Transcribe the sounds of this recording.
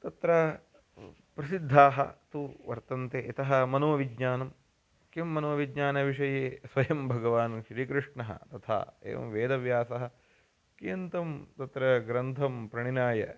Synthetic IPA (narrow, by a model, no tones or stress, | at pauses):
t̪ɐt̪ɾɐ | pɾɐsid̪ʱːaːɦɐ̰t̪uʋɐɾt̪ɐnt̪eːit̪ɐɦɐmɐnuʋɐʋiɡɲaːnɐm | kimːɐnuʋɐʋiɡɲaːnɐʋiʂɐjeːsʋɐjɐmbʱɐɡɐʋaːnʃɾiːkɾɪʂɳɐɦɐ̰t̪ɐt̪ʰa̰ːḛːʋɐ̰mʋeːd̪ɐʋjaːsɐɦɐ̆ | kiɐnt̪ɐmt̪ɐt̪ɾɐɡɾɐnt̪ʰɐmpɾɐɳinaːjɐ̰